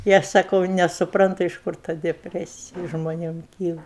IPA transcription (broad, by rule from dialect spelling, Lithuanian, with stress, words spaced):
ɪ ˈɐʃ sɐˈkɐʊ nʲɛsʊˈprɐntʊ ɪʃ ˈkʊr tɐ dʲɛˈpʲrʲæːsʲɪjɪ ʒmoːˈnʲeːm ˈkʲiːlˠɐ